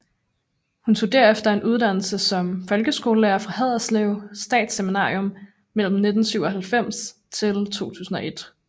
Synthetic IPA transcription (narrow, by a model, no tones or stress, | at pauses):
hunt͡ssʰo̝d̥æɐefd̥ɐe̝nʔuð̞ˠd̥æn̰l̩səsɒ̽mfɒ̽lɡ̥əsɡ̥o̝ːləleɐfʁɑ̈hæð̞̰ˠɐsleʊsd̥ɛ̰ːd̥seminɑ̈ːʁiɔ̽m | mel̰m̩ne̝d̥n̩syʊɒɦælfem̰s | t͡sʰe̝lt͡sʰo̝̰ːt͡sʰṵːsn̩ɒ̽ʔe̝d̥